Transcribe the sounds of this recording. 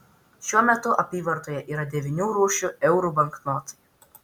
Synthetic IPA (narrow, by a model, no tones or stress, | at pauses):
ʃʲuɔmʲɛt̪ʊʔɐpʲiːʋɐɾt̪oːjɛʔiːɾɐd̪ʲɛʋʲɪnʲuːɾuːʃʲuɛʊɾuːbɐŋknoːt̪ɐ̥